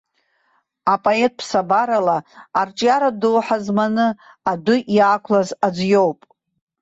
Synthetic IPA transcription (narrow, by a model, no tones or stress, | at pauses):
apʼoe̞t̚ʼpʰsabaɾalaːrt͡ʃʼjaɾadɨlħazmanɨ | adʊʔjaːkʷʰlazad͡zʷjo̞wpʼ